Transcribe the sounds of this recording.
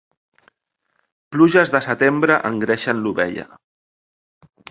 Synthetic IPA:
pluʒəzðəsət̪embɾəʔəŋɡɾɛʃənluβɛ̰ʎə̰

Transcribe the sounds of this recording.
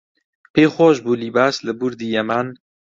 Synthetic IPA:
pʰeːxwɔːʒbuːliːbæsləbuɾd̪iːjɛmæn

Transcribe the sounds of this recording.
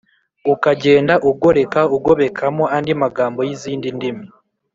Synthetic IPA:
ukaɟe̞ːndaʔuɡo̞ɾe̞kauɡo̞βe̞kʰamoʔandimaɡaːmbo̞jiziːndindimi

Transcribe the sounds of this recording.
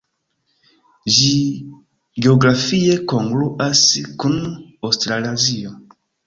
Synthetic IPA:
ʒi | ɡeoɡɾafiekoŋɡluʔaskunawstɾalazio

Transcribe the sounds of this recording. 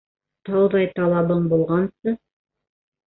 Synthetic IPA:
t̪ɑwðɑjt̪ɑlˠɑβɤɴbulˠʁɑnsɤ

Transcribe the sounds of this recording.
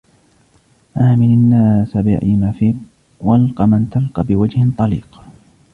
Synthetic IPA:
ʔaːmɪnanːaːsabɪʕimafiːq | walqɑmant̪alqɑbɪwad͡ʒhɪnt̪ˤɑliːq

